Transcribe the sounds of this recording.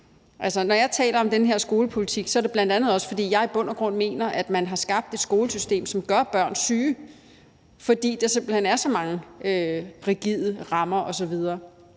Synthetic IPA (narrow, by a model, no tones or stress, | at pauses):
ʔælsɐnɒjɑ̈ɪt͡sʰɛ̰ːlɐɒ̽md̥enəɦe̝ɐ̰sɡ̥o̝ːləpʰo̝lit͡sʰiɡ̥sɒ̽ɐɾe̝b̥lænd̥ænð̞̩ˠɒ̽sfɒ̽d̥ḭːjɑ̈ɪib̥ɔ̽n̰ɐɡ̥ʁɔ̽n̰me̝̰ːnɐʔæd̥mænɦɑ̈sɡ̥ɑ̈b̥̚d̥e̝d̥sɡ̥o̝ːləsysd̥e̝̰ːmsɒ̽mɡ̥ɶɐb̥ɶɐ̰nsyː | fɒ̽d̥ḭːd̥ɑ̈se̝m̰b̥l̩henæɐsɒ̽mɑ̈ŋəøʁiɡ̥ið̰ˠəʁɑ̈mɐʔɒ̽sɒ̽ʋið̞ˠɐː